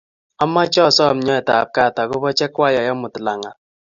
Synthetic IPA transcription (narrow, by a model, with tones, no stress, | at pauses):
a˦mːa˦t͡ʃɔ˦˨sɔ˦˨m̩˨ɲɔ˦ɛ˨ta˨p̚ka˦˨ta˨kʊ˦bɔ˦t͡ʃɛ˦kwa˦˨ja˨jɔ˦mʊ˨tla˨ŋa˨